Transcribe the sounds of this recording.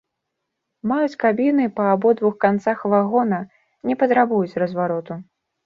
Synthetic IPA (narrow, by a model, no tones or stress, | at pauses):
majut͡sʲkabʲinɨpɐːbɔd̪vuxkant̪saxvaɣɔnɐ | nʲɛpɐt̪ɾabujut͡sʲrɐzvaɾɔt̪u